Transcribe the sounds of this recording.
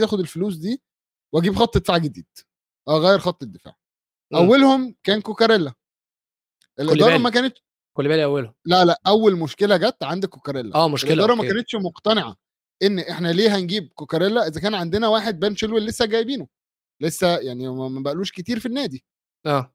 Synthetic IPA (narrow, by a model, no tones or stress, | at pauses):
jæːxod̪elfoluːs̬d̪iː | weæɡiːbxɑt̪ˤːed̪e̥faːʕɡed̪ḭːd̪̥ | ʔæːɣæːjeɾxɑt̪ˤːed̪ːefa̰ːʕ | ʔʔæwːælhomkæːnkokæɾelːæ | ʔelʔedlːɾɾɑmækæːnet̪ʃ | kolːbæːliʔæwːælhomlæʔlæʔʔæwːelmoʃkelæɡæt̪ːʕand̪ækːokɑɾelːæ̰ʔæːmoʃelkʔeld̪ːɾˤɑmækkæːnet̪ʃmoqt̪æneʕɑ̰ | ʔenːʔeħnæliːɦænɡiːb̚kokɑɾˤelːæʔezækæːnʕand̪enæwaːħed̪̚bæːnʃelwelːesːæɡæːjbiːno | lesːæjaʕnimæmæbæʔluːʃket̪iːɾfinːæːd̪i | ʔæː